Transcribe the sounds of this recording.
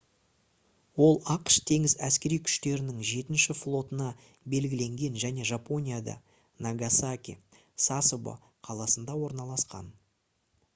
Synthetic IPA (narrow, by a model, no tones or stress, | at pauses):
wo̞lˠɑqʃt̪ʰe̞ŋɪzæskʲe̞ɾijkʲʰʏ̥ʃt̪e̞ɾɪnɪŋʒe̞t̪ɪnʃɪflˠo̞t̪ənɑ | be̞lɡʲɪle̞ŋɡʲe̞nʒæne̞ʒapo̞nʲijad̪ɑ̰ | naɡasakʲḭ | sasobo̰ | qʰɑlˠɑsənd̪ɑwo̞ɾnɑlˠɑsqɑ̰n